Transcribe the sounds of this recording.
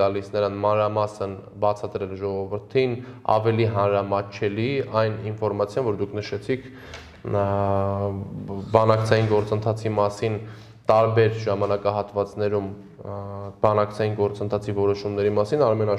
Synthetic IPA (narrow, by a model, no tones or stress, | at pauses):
ɑlisnəɾɑnmɑnɾɑmɑsən | bɑt͡sʰɑd̪ɾɛlʒɔʁɔvəɾt̪ʰinɑ̰vɛliɦɑnɾɑmɑt͡ʃʰɛliɑjninfɔɾmɑt͡sʰjɑnvɔɾd̪ukʰnəʃɛt͡sʰikʰ | bɑnɑkt͡sʰɑjinɡɔɾt͡sənt̪ʰɑt͡sʰimɑsin | t̪ɑɾbɛɾʒɑmɑnɑkɑɦɑt̪vɑt͡snɛɾum | bɑnɑkt͡sʰɑjinɡɔɾt͡sənt̪ʰɑt͡sʰivɔɾɔʃumnɛɾimɑsinɑɾmɛnɑ